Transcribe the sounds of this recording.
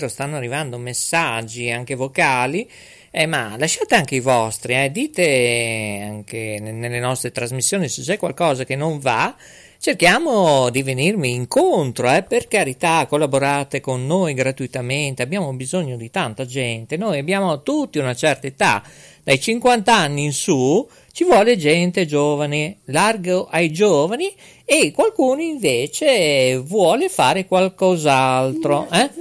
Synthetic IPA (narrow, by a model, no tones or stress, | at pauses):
ɾost̪anːoarːivand̪omesːad͡ʒːiaŋkevokaːli | ɛmalaʃːaːt̪eaŋkeivɔst̪ɾiɛd̪iːt̪e | aŋkenenelːenɔst̪ɾet̪ɾazmisːjoːniset͡ʃːɛkwa̰lkɔːzakenoɱva | t͡ʃerkjaːmod̪ivenirmiːŋkont̪ɾoɛperkaɾit̪akːolːaboɾaːt̪ekonːojɡɾat̪uit̪ament̪eabːjaːmobizoɲːod̪it̪ant̪ad͡ʒɛnt̪enojabːjaːmot̪ut̪ːiunat͡ʃɛrt̪aet̪a̰ | d̪̥ajt͡ʃiŋkwant̪aanːiinsu | t͡ʃivwɔːled͡ʒɛnt̪ed͡ʒoːvanelarɡoʔajd͡ʒɔːvaniː | kːwalkuːnoiɱveːt͡ʃevwɔːlefaːɾekwalkɔzalt̪ɾoʔɛ